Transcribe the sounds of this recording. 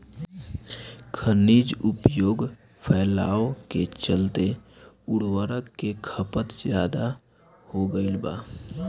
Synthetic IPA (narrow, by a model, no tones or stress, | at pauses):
kʰəniːd͡ʒʊpjoːɡ | pʰɛːlaːoket͡ʃəlt̪e | ʊɽwəɾəkːekʰəpət̪zjaːd̪a | hoɡəilba̰ː